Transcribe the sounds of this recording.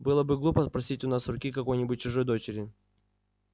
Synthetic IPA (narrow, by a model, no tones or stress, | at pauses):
bɨlˠəbɨɡlˠupəspɾɐsʲitʲʊnasrʊkʲikɐko̞jnʲɪbʊt̚ʲt͡ɕʊʐojd̪o̞t͡ɕɪɾʲɪ